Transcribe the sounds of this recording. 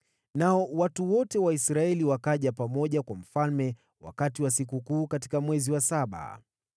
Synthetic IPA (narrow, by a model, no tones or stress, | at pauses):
naɔwatuwɔtɛwaisɾaɛliwakaʄapamɔʄakwam̩falmɛ | wa̰katiwas̬ikukuːkati̥kamwɛziwasaɓa̰